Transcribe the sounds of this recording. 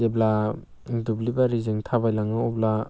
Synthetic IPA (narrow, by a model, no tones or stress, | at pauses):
ebla | dublibaɾizɯŋtʰabajlaŋɯɔbla